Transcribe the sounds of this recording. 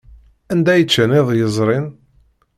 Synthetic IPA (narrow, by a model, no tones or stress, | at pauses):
ænd̪æjət͡ʃːənɪðˤjəzˤɾˤɪn